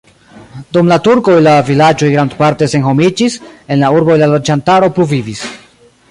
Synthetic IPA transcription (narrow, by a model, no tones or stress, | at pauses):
dumlatuɾko̞jlavilad͡ʒo̞jɡɾandpaɾte̞se̞nɦo̞mid͡ʒise̞nlauɾbo̞jlalo̞d͡ʒantaɾo̞pluvivis